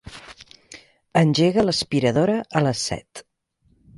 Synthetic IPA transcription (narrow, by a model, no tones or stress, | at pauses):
ənʲʒeɣələspiɾəðoɾəʔələsːɛ̰t̪